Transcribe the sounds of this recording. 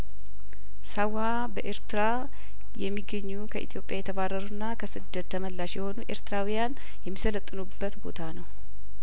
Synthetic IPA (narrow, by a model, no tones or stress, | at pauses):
sawha | bəʔe̞ɾt̪ɨɾa | jɛmːiɡːəɲːukʰəʔḭt̪ʰjo̞pʼjajɛt̪ʰəβarːəɾunːakʰəsɨd̪ːət̪ʰːəməlːaʃjɛho̞nuʔe̞ɾt̪ɨɾawijan | jɛmːisələt̪ʼːɨnubːət̪bo̞̰t̪ʰanəw